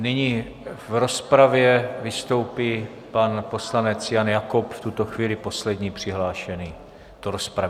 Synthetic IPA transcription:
nɪɲiː | vɾo̞spɾavjɛvɪst̪o̞wpiː | panpo̞slanɛt͡sjanjakopft̪ut̪oxviːlɪpo̞slɛdɲiːpr̝̥ɪɦlaːʃɛniː | t̪oɾospɾav

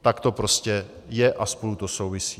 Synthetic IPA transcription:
t̪akt̪o̞pɾoscɛ | jɛʔaspo̞lut̪o̞sowvɪsiː

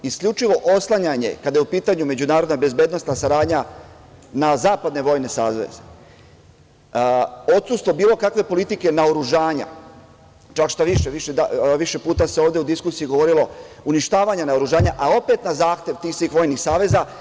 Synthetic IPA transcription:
iskʎut͡ʃiʋo̞ʔoslˠaɲaɲe̞̰kad̪ajeupiːt̪aɲume̞d͡ʑunaːɾo̞d̪nabe̞zbed̪no̞st̪nasaɾaːd̪ɲa | nazaːpad̪ne̞ʋo̞jne̞sa̰ːʋe̞̰ze | o̞t̪sust̪ʋo̞biːlo̞kakʋe̞po̞lit̪ike̞naoɾuʒaːɲa̰ | t͡ʃakʃt̪aʋiʃeʋiʃeʋiʃe̞puːt̪ase̞o̞ːʋd̪eud̪iskusiiɡo̞ʋo̞ɾilo̞ | uniʃt̪aːʋaɲanaoɾuʒaːɲaʔao̞pe̞t̪nazaːxt̪je̞ʋt̪iːxsʋiːxʋo̞jnixsaːʋe̞za

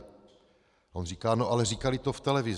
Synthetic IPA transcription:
ʔo̞nriːkaːnoʔalɛriːkalɪt̪o̞ft̪ɛlɛvɪz

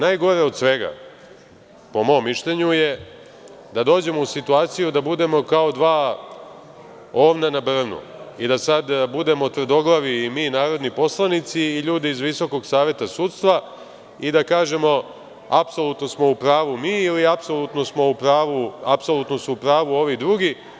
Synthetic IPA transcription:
najɡo̞ɾeo̞d̪sʋe̞ɡa̰ | po̞mo̞ːmːiʃʎe̞ɲuje̞ | d̪ad̪o̞ːd͡ʑe̞mousit̪uaːt̪sijud̪abud̪e̞mo̞kao̞d̪ʋaː | o̞ːʋnanabr̩nṵid̪asad̪bud̪e̞mot̪vr̩d̪o̞ɡlˠaʋimiːnaːɾo̞d̪nipo̞slˠanit̪siːʎuːd̪iːzʋiso̞ko̞ɡsaːʋje̞t̪asuːt̪st̪ʋa | id̪akaːʒe̞mo̞ | apso̞lut̪no̞smo̞upɾaːʋumiːiliapso̞lˠut̪no̞smo̞upɾaːʋuapso̞lˠut̪no̞suupɾaːʋuo̞ʋid̪ɾuɡi

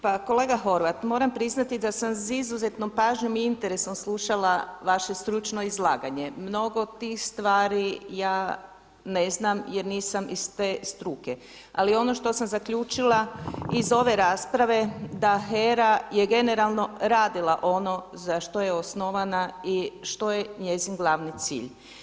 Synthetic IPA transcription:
pako̞le̞ːɡaxo̞ɾʋat̪mo̞ːɾampɾiznat̪id̪asamsizuze̞t̪no̞mpaːʒɲo̞miint̪e̞ɾe̞so̞mslˠuʃalaʋaʃe̞st̪ɾut͡ʃno̞izlˠaːɡaɲemno̞ɡot̪ixst̪ʋaːɾijaː | ne̞znamje̞ɾniːsamist̪eːst̪ɾuke̞ | a̰lio̞no̞ʃt̪o̞samzakʎuːt͡ʃilˠaizo̞ʋe̞ɾaːspɾaʋe̞d̪axeɾaje̞ɡe̞ne̞ɾalˠno̞ɾaːd̪ilˠaʔo̞no̞zaʃt̪o̞jeosnoʋanaiʃt̪o̞jeɲe̞zinɡlˠaʋnit̪sḭːʎ

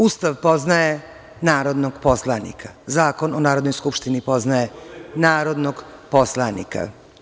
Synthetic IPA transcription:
ust̪aʋpo̞znaje | naːɾo̞d̪noɡ̥po̞slˠanḭkʰḁzaːko̞nonaːɾo̞d̪nojskupʃt̪inipo̞znajenaːɾo̞d̪noɡpo̞slˠanḭka̰

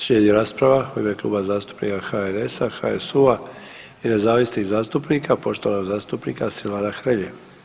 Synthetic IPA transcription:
sʎed̪jeɾaːspɾaʋaxobeklˠṵːbazaːst̪u̥pnḭkaxaeɾesaxa̰esuʋa | inezaːʋisnizaːst̪upnikapo̞ʃt̪oʋanoɡzaːst̪upnikasilaɾaxɾʎeʋ

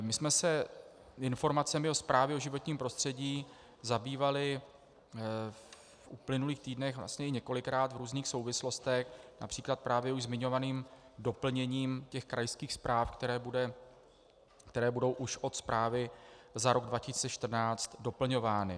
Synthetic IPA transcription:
mɪsmɛsɛ | ɪnfo̞ɾmat͡sɛmɪo̞spɾaːvjɛo̞ʒɪvo̞t̪ɲiːmpɾo̞st̪r̝̥ɛɟiː | zabiːvalɪ | ʔuplɪnuliːxt̪iːdnɛxvla̰st̪ɲɛɪɲɛko̞lɪkɾaːt̪vɾuːzniːxso̞wvɪslo̞st̪ɛxna̰pr̝̥iːklat̪̚pɾaːvjɛuʒzmɪɲovaniːmdo̞pl̩ɲɛɲiːmcɛxkɾajskiːxspɾaːfkt̪ɛɾɛːbudɛ | kt̪ɛɾɛːbudo̞wʔuʃʔo̞t̪spɾʔaːvɪzaɾo̞ɡdvacɪsit͡sɛʃt̪r̩naːt͡st̪do̞pl̩ɲo̞vaːnɪ

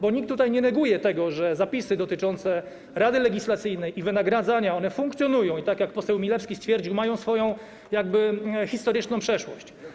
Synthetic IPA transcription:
bɔɲik̚t̪ːut̪ajɲɛnɛɡujɛt̪ɛɡɔʐɛzapʲisɘd̪ɔt̪ɘt͡ʂɔnt̪sɛ | ɾad̪ɘlɛɡʲislat̪sɘjnɛjʔivɘnaɡɾad̪zaɲaɔn̪ɛfuŋkt̪sʲjɔnujɔ̃w̃it̪akjak̚pɔsɛwmʲilɛfskʲist̪fʲjɛɾd͡ʑiwmajɔ̃w̃sfɔjɔ̃w̃ | jaɡ̚bɘxʲist̪ɔɾɘt͡ʂnɔ̃w̃pʂɛʂwɔɕt͡ɕ

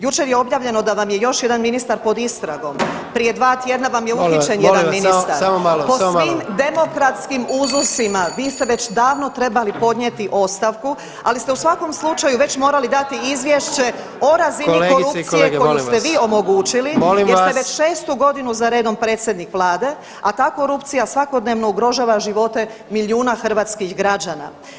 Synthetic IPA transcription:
jut͡ʃe̞ɾjeo̞bjaːʋʎe̞no̞d̪aʋamje̞jo̞ʃje̞d̪anminist̪aɾpo̞d̪ist̪ɾaɡo̞m | pɾije̞d̪ʋaːt̪je̞d̪naʋamjeuit͡ʃenjed̪anminist̪aɾamomaloposiːmd̪e̞mo̞kɾat̪skimuzlosimaʋiːst̪eʋe̞t͡ɕd̪aːʋno̞t̪ɾe̞balipo̞d̪ɲet̪iʔo̞st̪aʋku | alist̪e̞usʋako̞mslˠut͡ʃajuʋe̞t͡ɕmo̞ːɾalid̪at̪iizʋjeʃt͡ɕe̞ | o̞ɾazinilekoɾuk̪ijeɡkojlist̪eʋiːo̞mo̞ɡuːt͡ʃilimolimeseʋe̞t͡ʃʃe̞ːst̪uɡo̞d̪inuzaɾe̞ːd̪o̞mpɾe̞ːt̪sjed̪nikʋlˠaːd̪e̞ | at̪aːko̞ɾupt̪sijasʋako̞d̪ne̞ʋno̞uɡɾo̞ʒaːʋaʒiʋo̞t̪e̞miliuːnaxr̩ʋaːt̪skiɣɡɾad͡ʑaːna̰

